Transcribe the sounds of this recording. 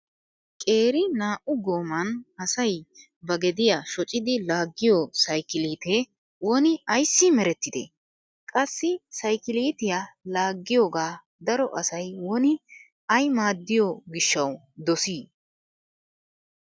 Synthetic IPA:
kʼe̞ːɾɪnaːʔʊɡoːmɐnɐsɐj | bɐɡɛd̪ɪjɐʃɔt͡ʃʼːɪd̪ɪlaːɡːɪjɔsɐjkɪliːt̪eː | wɔnɪɐjsːɪmɛɾɛt̪ːɪd̪ḛ | kʼɐsːɪsɐjkɪliːt̪ɪjalaːɡːɪjoːɡaː | d̪ɐɾɔʔɐsɐjwɔnɪ | ɐjmaːd̪ːɪjɔɡɪʃːɐw | d̪ɔsiː

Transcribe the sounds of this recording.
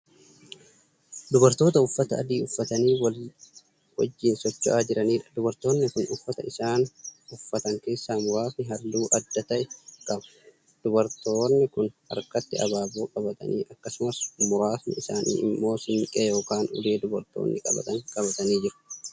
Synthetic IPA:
d̪ʊbɐɾt̪o̞ːt̪ɐʊfːɐt̪ɐːd̪iːʊfːɐt̪ɐniːwɐ | wɐ̰d͡ʒːɪnsɔt͡ʃːʊʔaːd͡ʒɪɾɐniːᶑɐ̥d̪ʊbɐɾt̪o̞ːnːɪkʊnʊfːɐt̪ɐ̰ɪsaːnʊfːɐt̪ɐŋke̞ːsːaːmʊɾaːfnɪɦɐlːuːʔɐd̪ːɐt̪ɐʔɛkʼɐbɐ̥ | d̪̥ʊbɐɾt̪o̞ːnːɪkʊnɐ̰ɾkɐt̪ːɪɐ̰baːboːkʼɐbɐt̪ʼɐ̰nḭːʔɐkːɐsʊmɐsmʊɾaːfnɪ̰ɪsaːnḭːʔɪ̰mːo̞ːsɪŋkʼeːjo̞ːkaːnʊ̰leːd̪ʊbɐɾt̪o̰ːnːɪkʼɐ̰bɐ̰t̪ʼɐŋkʼɐbɐt̪ɐniːd͡ʒɪɾʊ̥

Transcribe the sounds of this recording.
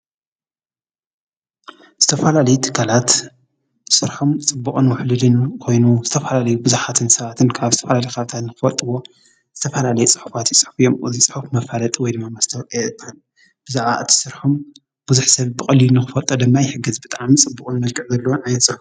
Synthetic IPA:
z̥ɨt̪ʰɐfɐlalɐjut̪ʰɨ̥kʰːalat̪ | sɨɾħomt͡sʼɨbːukʼɨnwʊħlɨlɨnkʰo̞jnuz̥ɨt̪ʰɐfɐlalɐjubɨzuħat̪ʰɨnsɐβat̪ʰɨnkʰaβzɨt̪ʰɐfɐlalɐjkʰat̪ʰat̪nɨxɨfɐlt̪ʼɨwo̞ | z̥ɨt̪ʰɐfɐlalɐjut͡sʼɨħufat̪jisʼɨ̥ħufijo̞mɨzisʼɨ̥ħufmɐfalɐt̪ʼwɔjd̪ɨmːamɐst̪ʰɐwʼet̪ʰan | b̥ɨzaʕa̰ʔɨt̪ʰi̥sɨɾħom | b̥uzuħsɐβbɨkʼɐlilnɨxɨfɐlt̪ʼɐd̪ɨmːajħɨɡɐzbɨt̪ʼaʕmt͡sʼɨbːukʼunmɐlkʼɨʕzɐlːɐwonajnsʼɨħuf

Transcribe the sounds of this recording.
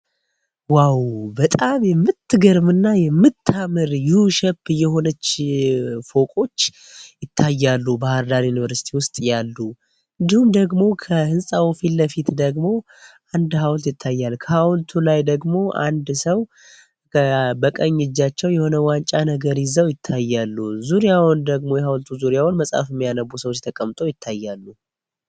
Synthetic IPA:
wawbət̪ʼamjɛmːɨt̪ːɨɡəɾmɨnːajɛmːɨt̪ʰːamɨɾjuhuʃɛpɨjɛho̞nət͡ʃː | fo̞kʼo̞t͡ʃː | jɪt̪ʰːajːalːubahɨɾd̪aɾjunivəɾsi̥t̪ʰiwʊst̪ʼjalːu | ɨnd̪ihumd̪əɡmo̞kʰəhɨnsʼawfilːəfit̪d̪əɡmo̞ | ʔand̪ɦawlt̪jɪt̪ʰːajːalkʰəhawlt̪ʰulajd̪əɡmo̞a̰nd̪səw | bəkʼəɲːɪd͡ʒːat͡ʃːɛwjɛho̞nəwant͡ʃʼanəɡəɾjɪzəwjɪt̪ʰːajːalːuzuɾijawnd̪əɡmo̞jɛhawlt̪ʰuzuɾijawnməsʼa̰fɪmːijanəbusəwot͡ʃːt̪ʰəkʼəmt̪ʼojɪt̪ʰːajːalːu

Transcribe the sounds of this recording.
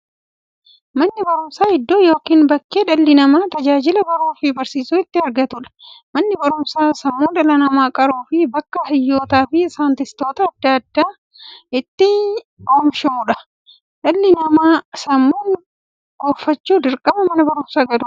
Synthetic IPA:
mɐnːɪbɐɾʊmsaːɪd̪ːoːjo̞ːkiːnbɐkːeːᶑɐlːɪnɐmaːt̪ɐd͡ʒaːd͡ʒɪlɐbɐɾuːfɪbɐɾsiːsuːɪt̪ːɪɐɾɡɐt̪ʊᶑɐ̥mɐnːɪbɐɾʊmsaːsɐmːuːᶑɐlɐnɐmaːkʼɐɾuːfɪbɐkːɐhɐjːo̞ːt̪aːfɪːsaːnt̪ɪst̪o̞ːt̪ɐːd̪ːaɐd̪ːaː | ɪt̪ːɪ | oːmʃɐʊᶑɐ | ᶑɐlːɪnɐmaːsɐmːuːn | ɡ̥oːfɐt͡ʃːuːd̪ɪɾkʼɐbɐmɐnɐbɐɾʊmsaːɡɐd̪ʊ

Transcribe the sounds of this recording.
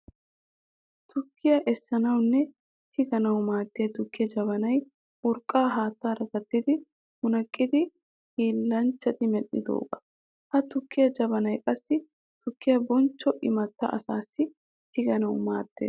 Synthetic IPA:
t̪ʰʊkːɪjɐʔɛsːɐnɐwnːɛ | t̪ʰɪɡɐnɐwmaːd̪ːɪjɐt̪ʊkːɪjɐd͡ʒɐβɐnɐj | ʔʊɾkʼːaːɦaːt̪ːaːɾɐt̪ɐt̪ːɪd̪ɪ | mʊnɐkʼːɪd̪ɪ | hiːlːɐnt͡ʃːɐt̪ɪmɛɗʼɪ̰d̪o̰ːɡɐ | hɐt̪ʊkːɪjɐd͡ʒɐbɐnɐjkʼɐsːɪ | t̪ʊkːɪjɐbɔnt͡ʃːɔʔɪmɐt̪ːɐ̰ʔɐsaːsːɪ | t̪ɪɡɐnɐwmaːt̪ːḛːs

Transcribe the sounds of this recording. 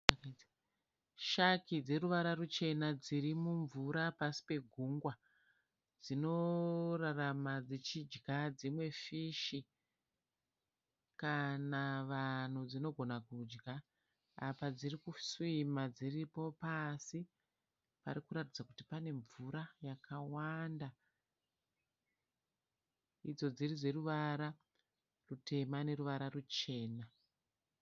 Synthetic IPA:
akaitḁ | ʃakid͡ze̞ruʋaɾarut͡ʃe̞nad͡ziɾimuɱvuɾapasi̥pe̞ɡʱuŋɡwa | d͡zino̞raramad͡zet͡ʃid͡ʒɡad͡zimwe̞fiʃi | kanaʋan̤ud͡zino̞ɡʱo̞nakud͡ʒɡa | apad͡zirikuswimad͡ziripo̞pasi | pa̰rikuɾatid͡zakutipane̞ɱvuɾajakawanda | id͡zo̞d͡zirid͡ze̞ruʋaɾa | rute̞mane̞ruʋaɾarut͡ʃe̞ːna

